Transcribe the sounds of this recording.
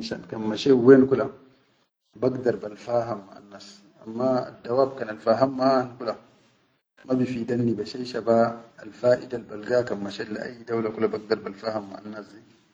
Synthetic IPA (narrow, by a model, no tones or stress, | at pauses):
ʃa̰nkamːaʃewenkula | baɡdaɾbalfaːɦamːaa̰nːas | ʔamːaa̰dːawaːb̚kanalfaɦamːaaankula | mabifidanːibaʃajʃabaalfaːʔidalbalɡakamːaʃelːa̰ʔa̰jːidawlakulabaɡ̚daɾbalfahamːa̰anːasdi